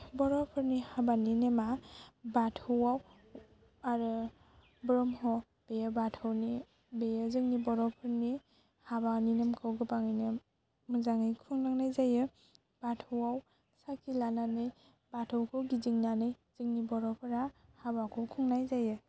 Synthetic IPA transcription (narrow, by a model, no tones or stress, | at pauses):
bɔɾɔpʰɯɾnihabaninemabatʰɯwaw | aɾɯ | bɾɔmɦɔ | b̥ejɯbatʰɯwni | bejɯzɯŋnibɔɾɔpʰɯɾni | habaninɯmkʰɯwɡɯbaŋɯjnɯ | mɯzaŋɯjkʰuŋnaŋnajzajɯ | b̥atʰɯwaw | sakʰilananɯj | batʰɯwkʰɯwɡiziŋnanɯj | z̥ɯŋnibɔɾɔpʰɯɾahabakʰɯwkʰuŋnajzajɯ